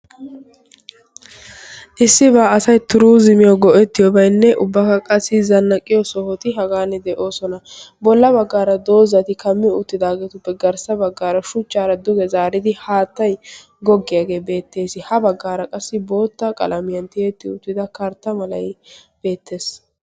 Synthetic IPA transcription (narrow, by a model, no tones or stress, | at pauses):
ʔɪsːɪbaːɐsɐjt̪ʊɾuːzɪmɪjɔɡɔʔɛt̪ːɪjɔbɐjnːɛʔʊbːɐkɐkʼɐsːɪzɐnːɐkʼːɪjɔsɔhɔt̪ɪɦɐɡaːnːɛd̪ɛʔo̞ːsɔnɐbɔlːɐbɐɡːaːɾɐd̪o̞ːzɐt̪ɪkɐmːɪʊt̪ːɪd̪aːɡeːt̪ʊpːɛɡɐɾsɐbɐɡːaːɾɐʃʊt͡ʃːaːɾɐd̪ʊɡɛzaːɾɪd̪ɪhaːt̪ːɐj | ɡɔɡːɪjaːɡe̞ːbe̞ːt̪ːe̞ːsɪhɐbɐɡːaːɾɐkʼɐsːɪbo̞ːt̪ːɐkʼɐ̰lɐmɪjɐnt̪ɪjet̪ːɪʊt̪ːɪd̪ɐkɐɾt̪ːɐmɐlɐjb̥e̞ːt̪ːe̞ːs